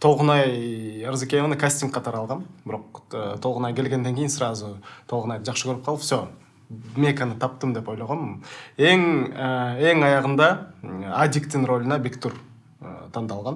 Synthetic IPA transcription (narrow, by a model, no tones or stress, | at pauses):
t̪ʰo̞lˠʁənɑjəɾzikʲejevnəkʰasʲt̪ʲiŋkqːɑt̪ʰɑɾɑlˠʁɑnbɪɾo̞qət̪ʰolˠʁənɑjkʲe̞lɡʲend̪eŋkʲe̞jɪnsəɾɑzət̪ʰo̞lˠʁənɑjd̪əʒɑqʃəkʲʰɵɾɪp̚qʰɑlˠəpso̞ | me̞kanət̪ʰɑpt̪əmd̪e̞pojlˠɑʁɑneŋ | e̞ŋɑjɑʁənd̪ɑad̪ʲikt̪ɪŋro̞lʲɪnɑbʲikt̪uɾ̰ | t̪ʰɑnd̪ɑlˠʁɑn